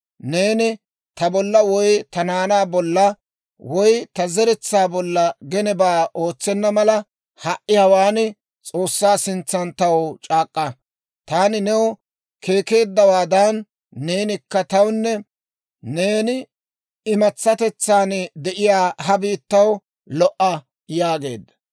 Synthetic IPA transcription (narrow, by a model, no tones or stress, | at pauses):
ne̞ːnɪ | t̪ɐbɔlːɐwɔjt̪ɐnaːnaːbɔlːɐ | wɔjt̪ɐzɛɾɛt͡sːaːbɔlːɐɡɛnɛbaːʔo̞ːt͡sːɛnːɐmɐlɐ | hɐʔːɪjɐwaːnɪ | t͡sʼo̞ːsːaːsɪnt͡sːɐnt̪ɐwt͡ʃʼaːkʼːɐ | t̪aːnɪnɛw | kʰe̞ːke̞ːd̪ːɐwaːd̪ɐnː | e̞ːnɪkːɐt̪ɐwnːɛ | ne̞ːnɪ | ɪmɐt͡sːɐt̪ɛt͡sːaːnd̪ɛʔɪjaːhɐbiːt̪ːɐw | lɔʔɐ | jaːɡe̞̰ːd̪ːɐ̥